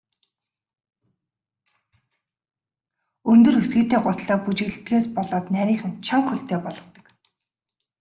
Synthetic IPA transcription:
ɵnt̪ɵ̆rxɵsɡiːt̪eːɢʊt̪ɮɔːput͡ɕɪ̆ɮt̪ɡeːspɔɮɔːt̪næɾʲiːχɘ̆nt͡ɕʰaŋχxɵɬt̪ʰeːpɔɮɞ̆t̪ə̥̆k

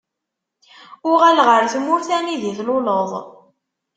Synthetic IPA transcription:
ʊʁælʁəɾθmʊɾθæniðiθlʊləðˤ

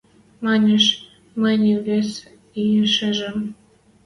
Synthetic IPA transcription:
mɑnʲeʃ | mənʲiβʲes | ijeʃeʒə̆m

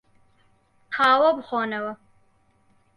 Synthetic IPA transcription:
hʰaːwɐbχɔːnɐwɐ

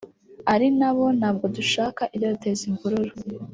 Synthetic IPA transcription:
aɾinaβo̞naːb̚ɡo̞duʃaːkaʔiɾjodute̞ːziŋɡuɾuɾo

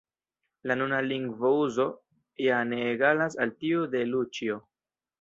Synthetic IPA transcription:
lanunaliŋɡvouzo̞ | janeːɡalas̬altiude̞lut͡ʃio

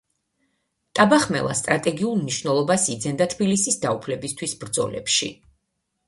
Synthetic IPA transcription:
t̪ʼabaχmɛ̰lˠa̰st̪ʼɾat̪ʼɛɡiulˠmniʃvnɛlˠɔbasid̪zɛnd̪at̪ʰbilisisd̪aupʰlɛbist̪ʰwisbɾd̪zɔ̰lɛ̰pʃḭ

